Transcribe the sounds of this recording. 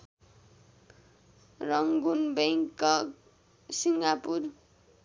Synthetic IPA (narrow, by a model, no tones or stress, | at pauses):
rʌŋɡunbeŋkːʌk | siŋɡapur